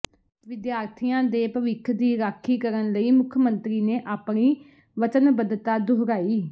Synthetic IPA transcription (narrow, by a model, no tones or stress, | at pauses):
ʋɪd̪jaːɾt̪ʰijãːd̪eːpəʋɪkʰːd̪iːɾaːkʰːiːkəɾənləiːmʊkʰəmənt̪ɾiːneːʔaːpniː | ʋət͡ʃənbəd̪t̪aːd̪ʊɦɾaːiː